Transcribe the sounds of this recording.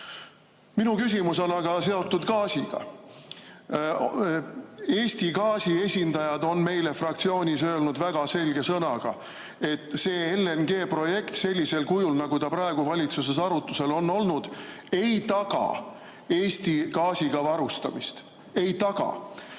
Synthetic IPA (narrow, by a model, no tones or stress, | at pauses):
minukysʲimus̬o̞nɑɡ̥ɑse̞o̞t̪ˑːud̪̥kɑːsiɡ̥ɑ̰ | e̞ːsʲt̪ikɑːsie̞sʲind̪̥ɑjɑd̪o̞nme̞jle̞frɑk̚t̪sio̞ːnʲisø̞ːlnud̪̥væɡ̥ɑse̞lʲɡe̞sɤnɑɡ̥ɑ | e̞t̪ːˑse̞ːelːenɡ̥e̞ːpro̞je̞kt̪se̞lʲːise̞lkujulnɑɡ̥ut̪ɑpɾɑe̞ɡ̥uvɑlʲit̪sus̬e̞sɑɾut̪ːˑuse̞lo̞nːo̞lnud̪̥e̞jt̪ɑɡ̥ɑ̰ | e̞ːsʲt̪ikɑːsiɡ̥ɑvɑɾust̪ɑ̰mist̪ | e̞jt̪ɑɡ̥ɑ̰